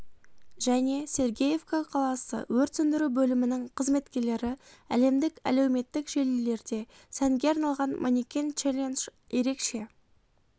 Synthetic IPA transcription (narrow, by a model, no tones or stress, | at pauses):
ʒ̥æne̞se̞ɾɡʲeje̞vkaqʰɑlˠɑsə̰wɵɾt̪sʏnd̪ɪɾubɵlɪmɪnɪŋqʰəzme̞t̪kʲe̞ɾle̞ɾɪæ̰le̞md̪ɪkæ̰lewme̞t̪ːɪkʒ̥e̞lle̞ɾd̪e̞ | sæŋɡʲe̞ɑɾnɑlˠʁɑnmʔonikʲent͡ʃelʲenʃ | je̞ɾe̞kʃe̞